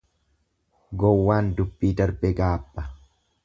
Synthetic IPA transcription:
ɡɔwːaːnd̪ʊbːiːd̪ɐɾbɛɡaːbːɐ

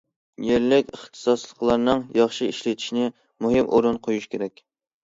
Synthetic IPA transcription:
jeɾlɪkʲəχt̪ʰɨ̥sɑslˠəqlˠɑɾnɨŋjɑχʃɨiʃlɪt̪ʰi̥ʃnɪ | muɦɨmʔoɾɨnqʰojuʃkʲʰeɾɛkʲ

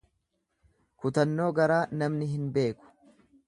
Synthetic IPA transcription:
kʊt̪ɐnːo̞ːɡɐɾaːnɐmnɪɦɪnbe̞ːkʊ̥

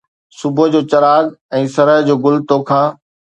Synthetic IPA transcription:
sʊbʱə̆d͡ʑoːt͡ɕɐɾaːɡɛ̃ːsɐɾəɦd͡ʑoːɡʊlt̪okʰãː

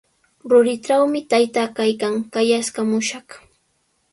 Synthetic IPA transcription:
ɾʊɾɪʈ͡ʂawmɪt̪ajt̪akajkaŋkajaskamʊʃɑχ

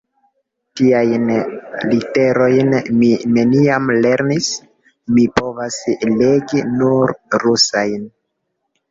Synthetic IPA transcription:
tiajnlite̞ɾo̞jnmimeniamle̞ɾnis | mipo̞vasle̞ɡinuɾɾusajn

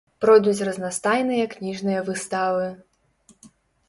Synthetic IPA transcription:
pɾɔjd̪ut͡sʲrɐznast̪ajnɨjɐknʲiʐnɨjɐvɨst̪avɨ

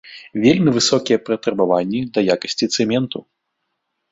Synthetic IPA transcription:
vʲelʲmʲivɨsɔkʲijɛpɾɐt̪ɾɐbavanʲːid̪ɐjakɐsʲt͡sʲit̪sɛmʲɛnt̪u

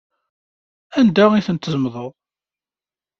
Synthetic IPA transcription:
ænd̪æiθənt̪ːzəmðˤəðˤ

